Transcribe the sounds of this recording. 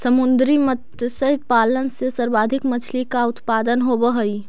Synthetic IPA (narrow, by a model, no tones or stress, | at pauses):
səmʊnd̪ɾimət̪jəsəɦpaːlənsesəɾbaːd̪ʱɪkmət͡ʃʰlikaʊt̪paːd̪ənɦobəɦəi